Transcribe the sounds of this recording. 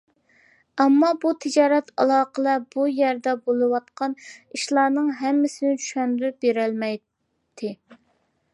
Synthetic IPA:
ɛmːɑbut̪ʰɪd͡ʒɑːɾɛt̪ʰɑlˠɑːqəlˠɛb̥ujæɾd̪ɛbolˠɨwɑt̪qʰɑniʃlˠɑːnɨŋɦɛmːɪsɪnɪt͡ʃʰyʃɛnɾybeɾælmɛj | t̪ʰɪ

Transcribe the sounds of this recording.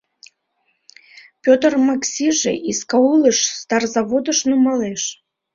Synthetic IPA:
pʲot̪ərmaksʲiʒḛʔiskaulˠəʃst̪ɑrzaβod̪əʃnomɑleʃ

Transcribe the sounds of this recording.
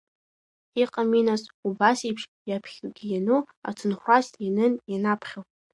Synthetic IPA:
iqʼaminasubasipʰʂ | japʰχʲɡʲijanu | a̰tʰɨnχʷasinɨnjanapʰχʲaw

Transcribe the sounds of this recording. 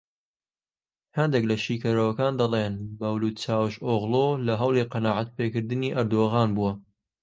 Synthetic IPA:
hɐnd̪eklɐʃiːkɐɾɐwɐkaːnd̪ɐlˠenbɐwluːt̪̚t͡ʃaːwʃoːɣlˠoːlɐɦɐwlˠiːqɑnaːʕat̪̚peːkɨɾd̪ɨniːʔɐɾd̪oɣaːnbuɐ

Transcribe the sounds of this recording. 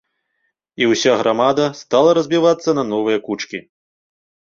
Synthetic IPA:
iwsʲaɣɾʔamad̪ɐst̪alˠɐɾɐzʲbʲivat̪sːɐnɐnɔvɨjɐkut͡ʂkʲi

